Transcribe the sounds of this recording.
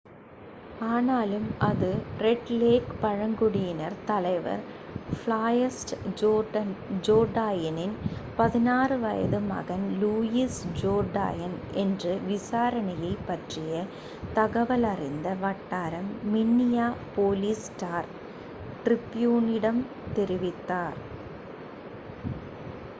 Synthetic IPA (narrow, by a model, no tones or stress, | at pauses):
aːnaːlɯmɐðɯrɛʈleːkpɐɻɐŋɡɯɽɪjɪnɐɾt̪ɐlɐɪʋɐ̰ɾflaːjɐsʈd͡ʒoːɐnd͡ʒoːɖaːjɐnɪnpɐðɪnaːrɯʋɐjɐ̰ðɯmɐ̰ɣɐnluːjisd͡ʒoːɖa̰ːjɐnʔɛndrɯʋɪsaːɾɐnɐjɐɪpːɐʈrɪjɐ | t̪ɐɣɐʋɐlɐrɪnd̪ɐʋɐʈːaːɾɐmːɪnːɪjaːpoːlisʈaːɾ | ʈrɪpːjuːnɪɽɐm | t̪ɛɾɪʋɪt̪ːaːɾ